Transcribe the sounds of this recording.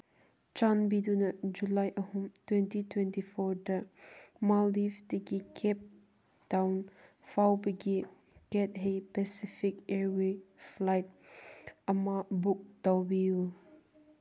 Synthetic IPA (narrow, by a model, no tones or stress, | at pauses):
t͡ʃanbidunɐd͡ʒulajʔəhumtwɛntitwɛ̃ntifʰɔɾdəmaldifdeɡikʰɛp̚ | d̥awnfawbeɡi | kɛt̚ɦejpɛsifikɛɾweflajt̚ | ɐmabuk̚d̥awbiu